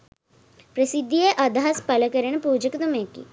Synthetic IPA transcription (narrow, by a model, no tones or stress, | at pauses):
pɾəsɪd̪ʱːijeʔɐd̪aɦaspɐləkəɾəɳ̃npuːd͡ʒəkd̪ʊmẽːkḭ